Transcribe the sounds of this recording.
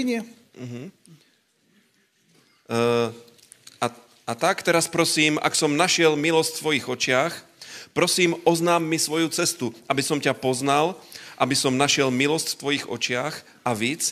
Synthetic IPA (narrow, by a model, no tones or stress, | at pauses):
ɲɛ | ɦ̩ | a | at̪akt̪ɛɾaspɾɔsiːma̰ksɔmnaʃɪɛlmilɔscsʋɔjiɣɔt͡ʃɪax | pɾɔsiːmʔɔznaːmːisʋɔjut͡sɛst̪uʔabisɔmcapɔznalʔabisɔmnaʃɪɛlmilɔscft̪ʋɔjiɣɔ̰t͡ʃɪax | ʔaʋiːt͡s